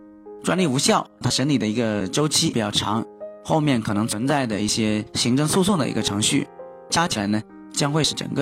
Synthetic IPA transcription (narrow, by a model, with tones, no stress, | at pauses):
ʈ͡ʂwa˥nli˥˩u˧˥ɕjɑ˥˩ʊt̪ʰa˥ʂə˧˥nli˨˩d̪ə˦i˧˥ɡə˧ʈ͡ʂo˥ʊt͡ɕʰi˥˨˩t͡ɕjɑ˥˩ʊʈ͡ʂʰɑ̰˧˥ŋxo˥˧ʊmjɛ˥˩nkʰɤ˨˩nɤ˧˥ŋt͡sʰwə˧˥nt͡sa˥˩ɪd̪ə˩i˥˩ɕjɛ˥ɕi˧˥ŋʈ͡ʂɤ˥˧ŋsu˥˧su˥˩də̰˩ḭ˧˥ɡə˧ʈ͡ʂʰɤ˧˥ŋɕy̰˥˩ | t͡ɕja˥t͡ɕʰi˨˩la˧˥ɪnə˧ | t͡ɕjɑ˥ŋxwe˥˧ɪʂɻ̩˥˩ʈ͡ʂə̰˨˩ŋɡə˧